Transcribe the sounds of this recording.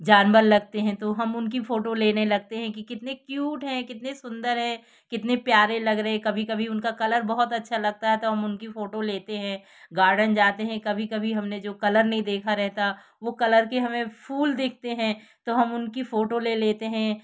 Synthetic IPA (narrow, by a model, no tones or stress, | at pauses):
d͡ʒaːnbəɾlɐɡt̪eɦɛ̃t̪oɦɐmʊnkifoːʈoleːnelɐɡ̚t̪eɦɛ̃kikɪt̪nekjuːʈɦɛ̃kɪt̪nesʊ̃nd̪əɾɦɛ̃ː | kɪt̪nepjaːɾẽlɐɡɾɐɦẽkɐbʱikɐbʱiʊnkakɐləɾbɐɦɔt̪ɐtːʃʰalɐɡ̚t̪aɦɛt̪oɦɐmʊnkifoːʈoleːt̪eɦɛ̃ | ɡaːɾɖənd͡ʒaːt̪eɦɛ̃kɐbʱikɐbʱiɦɐmned͡ʒoːkɐləɾnɐɦĩd̪eːkʰaɾɛɦt̪a | ʋokɐləɾkeɦɐmẽfʰuːld̪eːk̚ʰt̪eɦɛ̃ | t̪oɦɐmʊnkifoːʈoleleːt̪eɦɛ̃